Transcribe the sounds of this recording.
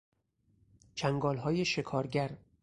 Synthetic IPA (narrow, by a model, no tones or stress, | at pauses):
t͡ʃʰæŋɡɒːlɦɒːje̞ʃe̞kʰɒːɾɟæɾ